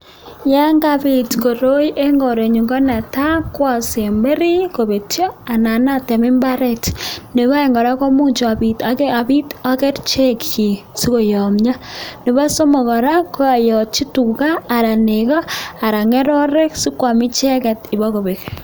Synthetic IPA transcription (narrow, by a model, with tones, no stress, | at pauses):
ja˦ŋɡaβi˨tko˨ɾo˦jʔe˦ŋɡɔ˨ɾe˨ɲu˨ŋɡɔ˦na˨ta˦kwa˦˨se˨mbe˦ɾi˦ko˨βe˨tjo˦a˨na˨na˦te˨mi˦mba˦ɾe˦tne˨βa˦e˨ŋɡɔ˨ɾa˦ko˦mu˦t͡ʃo˨a˨bitaa˨βi˦ta˦ke˦ɾt͡ʃe˦ki˨ | si˦ko˨jɔ˨mɲa˦ne˨βa˦so˦mɔ˨ɣɔ˨ɾa˦ko˦a˨jɔ˨t͡ʃi˦tu˨kaː˦˨ɾa˨neɣɔ˦a˨ɾa˨ŋe˦ɾɔ˦ɾe˦ksi˦kwa˨mi˦t͡ʃɛ˦kɛ˨ti˨βɔ˦ɣo˨βe˨k